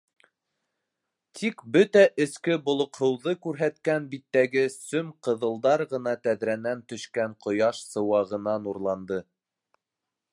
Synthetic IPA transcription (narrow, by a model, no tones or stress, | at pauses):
t̪ʰikbɵt̪æʔɘ̆skɘbŏlˠŏqhɤ̆wðɤkʉɾɦæt̪kænbit̪ːæɡɘsɵmqɤ̆ðɤ̆lˠd̪ɑɾʁɤ̆nɑt̪æðɾænænt̪ɵ̆ʃkæɴqŏjɑʃsɤ̆wɑʁɤ̆nɑnuɾlˠɑnd̪ɤ